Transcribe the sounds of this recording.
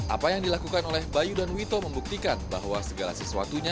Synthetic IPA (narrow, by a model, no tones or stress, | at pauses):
ʔa̰pajaŋdilakukanolɛhbajudanwit̪oməmbuk̚t̪ikanba̰hɦwasəɡala̰səsua̰t̪uɲa